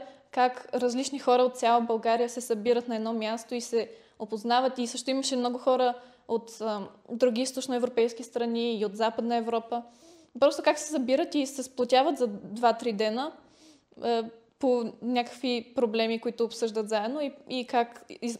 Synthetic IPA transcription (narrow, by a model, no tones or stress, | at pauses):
kakɾɐzlit͡ʃnixɔɾəot̪̚sʲjalˠəbɐlˠɡaɾijəsɛsɐbiɾət̪nɐɛd̪nɔmʲjast̪oisɛ | opoznavət̪isɤʃt̪ʊiməʃɛmnɔɡʊxɔɾə | ot̪əd̪ɾuɡ̟ʲiist̪ot͡ʃnoɛvɾopɛjsk̟ʲist̪ɾɐniːot̪zapəd̪nəɛvɾɔpə | pɾɔst̪okaksɛsɐbiɾət̪isɛsplˠot̪ʲavət̪zɐd̪vat̪ɾid̪ɛnə | ponʲakə̥kvipɾoblɛmikoit̪ʊːpsɤʒd̪ət̪zaɛd̪noiikaki